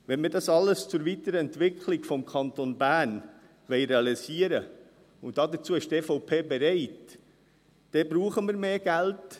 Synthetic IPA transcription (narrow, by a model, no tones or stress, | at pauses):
ʋɛnmiːdɑsɑlːəst͡sʊɾʋitəɾəɛntʋɪkχlɪɡfɔmkʰχɑntonbæːn | ʋɛɪɾeɑlisiəɾə | ʊntdɑːdət͡suːəɪʃteːfɔʊpʰeːbɛɾɛɪt | d̥ɛbɾuːχəməɾmeːɡ̥ælt